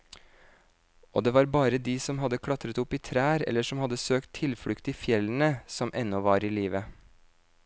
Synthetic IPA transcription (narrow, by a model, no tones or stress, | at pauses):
ʔo̰ːd̪eːʋɑːɾbɑːɾəd̪iːsɔmɦɑd̪əkʰɽɑt̪ɾət̪ʊpiːt̪ʰɾæːɾɛ̰lːəʂɔmhɑd̪əsøːkt̪ʰːɪlfɽʉkt̪iːfjɛlənəsɔmʔɛnːɔʋɑːɾiːliːʋə